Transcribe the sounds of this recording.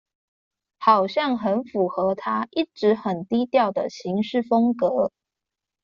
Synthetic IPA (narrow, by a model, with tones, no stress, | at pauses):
xɑ˨˩ʊɕjɑ˥˩ŋxə˧˥nfu˨˩xɤ˧˥t̪ʰa˥ʔi˥˩ʈ͡ʂɻ̩˧˥xə˨˩nt̪i˥t̪jɑ˥˩ʊd̪ə˩ɕi˧˥ŋʂɻ̩˥˩fɤ˥ŋkɤ˧˦